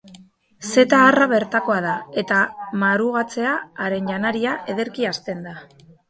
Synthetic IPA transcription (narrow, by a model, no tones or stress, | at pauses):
se̞t̪aːraβe̞ɾt̪ako̞aðae̞t̪amaɾuɣ̞at͡se̞aːɾe̞nʝanaɾiaʔe̞ðe̞ɾkiast̪e̞nd̪a